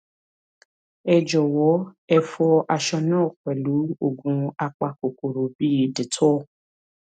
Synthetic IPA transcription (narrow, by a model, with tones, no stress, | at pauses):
ɛ˧d͡ʒɔ˨wɔ˨˦ɛ˧fɔ˧a˧ʃɔ˧nãː˦˨kʷɛ˨lu˨˦o˦˨ɡũ˧a˧k͡pa˧ko˨ko˨ɾo˨bi˦˨de˨tʰɔ˦˨